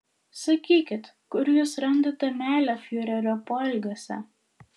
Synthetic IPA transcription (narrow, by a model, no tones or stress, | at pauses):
sɐkʲiːkʲɪt̪kʊɾjuːsɾɐnd̪oːt̪ʲɛmʲæːlʲɛfjuːɾʲɛɾʲɔpɔlʲɡoːsʲɛ̰